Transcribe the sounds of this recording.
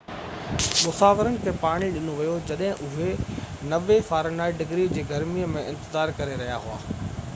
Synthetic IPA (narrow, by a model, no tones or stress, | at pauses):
mʊsaːʋɪɾənɪ̆kʰepaːɽ̃iɗɪnoʋijod͡ʑɐɗɦɪ̃ʔʊɦenɐʋefaːɾnaːiɖɪɡɾid͡ʑeːɡɐɾmiəmẽʔɪ̃nt̪ɪzaːɾkɐɾeɾɐɦjaɦʊa̰ː